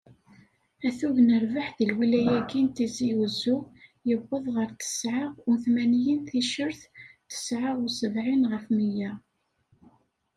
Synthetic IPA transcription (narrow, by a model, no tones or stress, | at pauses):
æθuðnəɾvaħðilwilæjæɡint̪iziuzujəvːəðˤʁəɾt̪ə̥sʕəʁʊθmænjinθiʃəɾθt̪ə̥sʕəʁʊsəvʕinʁəfmijæ